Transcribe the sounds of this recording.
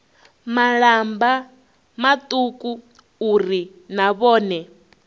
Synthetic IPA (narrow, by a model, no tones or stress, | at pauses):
maɺamba | mat̪ʼukʼu | uɾi | naβɔːnɛ